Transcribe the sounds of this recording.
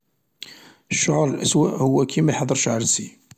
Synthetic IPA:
ʃːʊʕɾˤlʔæ̰swæʔhʊwːækʰːimæħɑd̪ˤːəɾˤʃʕəɾsi

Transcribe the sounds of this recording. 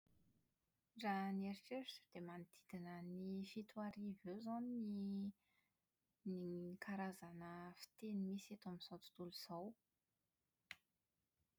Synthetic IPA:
ranieɾiʈ͡ʂeɾsd̪̥emanid̪̥id̪̥inənifit̪uaɾivezani | nikʰaɾazanəfi̥t̪enimiset̪aminz̥owt͡s̪i̥t̪uluz̥aw

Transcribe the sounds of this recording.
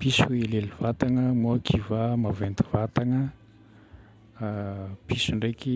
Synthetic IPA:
pisuileliv̥at̪aŋəmuakʰivamavend̪ivat̪aŋə | pisuɳɖ͡ʐeki

